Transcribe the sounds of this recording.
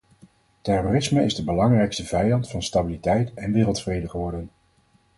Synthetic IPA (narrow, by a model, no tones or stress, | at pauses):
tɛroːrɪsməɪzdəbəlɑŋrɛjkstəvɛjɑntfɑnstabilitɛjtɛnʋɪːrəlˠtfrejdəχəʋɔɹdən